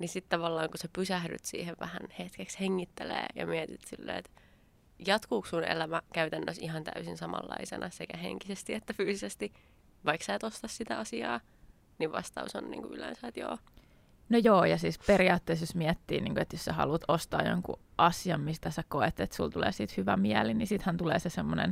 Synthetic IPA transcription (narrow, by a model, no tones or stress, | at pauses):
nisit̪t̪ɑʋɑlːɑːŋkusepysæhdy̰t̪sḭːheʋʋæhænhet̪keksheŋːit̪ːelḛːjɑ̰miɛt̪it̪silːḛḛt̪ | jɑt̪kuːkssunḛlæmækæyt̪ænːøsiɦɑnt̪æ̰ysinsɑmɑ̰lːɑ̰isḛnʔɑsekæhḛŋkisest̪iet̪ːæfyːsisest̪i | ʋɑiksæːt̪ost̪ɑssit̪æɑsiɑː | niʋʋɑ̰st̪ɑuso̰nːḭːŋkuylæ̰nsæːt̪jo̰ː | nojoːjɑsiːsperiɑːt̪ːeːsjosmiɛt̪ːḭːnḭːŋkuet̪jossæhɑ̰lut̪ost̪ɑːjo̰ŋkṵʔɑsiɑmmist̪æsækoet̪et̪sult̪ulḛːsiːt̪hyʋæmiælinisit̪hænt̪ulḛːsesemːonḛn